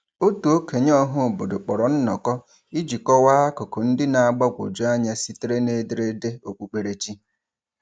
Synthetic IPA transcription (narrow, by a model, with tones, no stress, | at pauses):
o˦tu˨o˦ke˨ɲ˦ɔ˦ɦʊ˦˨bo˨do˨k͡pɔ˨ɾɔ˨n̩˦nɔ̰˨kɔ˦ | i˦d͡ʒi˨kɔ˦waː˦a˦kʊ˨kʊ˨n̩˦dɪ˦na˨a˨ɡ͡ba˦ɡʷo̰˨d͡ʒu˦a˦ɲa˦si˦te˦ɾe˦ne˦dɪ˨ɾe˦de˦o˨k͡pu˦k͡pe˨ɾe˦t͡ʃi˦